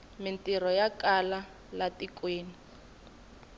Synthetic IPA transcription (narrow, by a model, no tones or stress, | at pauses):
mɪntʼirɔjakʼala | latikʼweːni